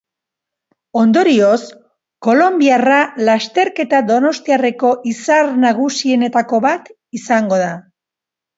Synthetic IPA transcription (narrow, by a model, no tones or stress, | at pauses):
o̞nd̪oɾio̞s | ko̞lo̞mbiaralast̪e̞ɾke̞t̪aðo̞no̞st̪iare̞ko̞ʔisaɾnaɣusie̞ne̞t̪ako̞βat̪ | isaŋɡo̞ða